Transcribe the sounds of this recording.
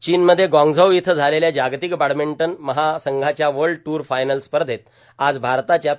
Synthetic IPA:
t͡ɕiːnməd̪ʱːjeɡɔ̃ŋɡd͡zʱəwit̪ʰəd͡zʱaleljad͡ʑaɡt̪ikbaɽmeɳʈənməɦasəŋɡʱat͡ɕjaʋəɾɭɖʈuːɾfajnəlspəɾd̪ʱet̪̚ | ad͡zbʱaɾt̪at͡ɕja

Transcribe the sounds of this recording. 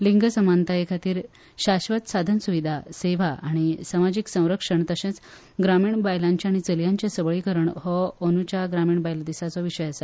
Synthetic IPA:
liŋɡʱəsəmant̪ajekʰat̪iːɾ | ɕaɕʋət̪sad̪ʱənsuʋid̪ʱaseʋ̤aʔaɽ̃isamad͡ʑiksə̃w̃ɾəkʂəɳt̪əɕẽt͡s | ɡɾamiːɳbajlãɲt͡ɕjaaɽ̃it͡səljãɲt͡ɕjesəʋɭikəɾəɳhɔənut͡ɕaɡɾamiːɳbajld̪isat͡sɔʋiɕəjasə

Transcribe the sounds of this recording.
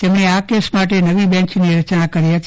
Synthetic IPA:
t̪emɳ̃eakesmaʈenəʋibɛ̃ɲt͡ʃniɾət͡ʃnakəɾiɦət̪i

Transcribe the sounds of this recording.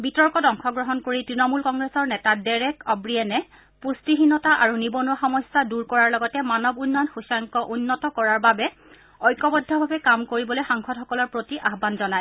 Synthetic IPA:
bitɔɹkɔdɔŋkʰɔɡɹɔɦɔnkoɹitɹinɔmulkɔŋɡɹesɔɹnɛtadɛɹɛkɔbɹiɛnɛ | pustiɦinɔtaʔaɹunibɔnuaxɔmɔsaduɹkɔɹaɹlɔɡɔtɛmanɔbunːɔjɔnxusaŋkɔʔunːɔtɔkɔɹaɹbabɛ | ɔjkɔbɔdʱːɔbʱabɛkamkoɹibɔlojxaŋkʰɔdxɔkɔlɔɹpɹotiʔaɦbanzɔnaj

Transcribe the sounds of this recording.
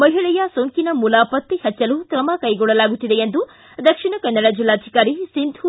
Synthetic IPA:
mɐɦiɭɛjɐsoŋkinɐmuːlaːpɐt̪ːihɐt͡ʃːɐlukɾɐmɐkɐjɡɔɭːɐlaːɡut̪ːid̪e̞end̪u | d̪ɐkʂiɳɐkɐnːɐɽɐd͡ʒilːaːd͡ʒ̪ʱikaːɾisind̪ʱu

